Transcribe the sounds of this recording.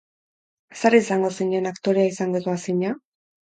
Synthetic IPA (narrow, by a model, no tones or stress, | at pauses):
saɾisaŋɡo̞siɲenakt̪o̞ɾeaisaŋɡoðoasiɲa